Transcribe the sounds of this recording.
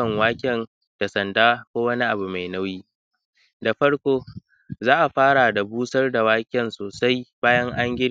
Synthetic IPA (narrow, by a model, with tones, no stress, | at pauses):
ɐ˨ŋwaː˦kʲɛ˨n | d̥a˨sɐ˨ndaː˦kʷoː˦wɐ˦ni˦ʔa˨bu˨ma˨jna˦wjiː˦ | da˨ɸɐ˦ɽkʷoː˦ | zaː˦ʔa˨ɸaː˦ɽa˨da˨buː˦sɐ˦rda˨waː˦kʲɛ˨nsoː˨sa˦jbaː˦jɐ˦ŋʔa˦ŋɡʲɪ˦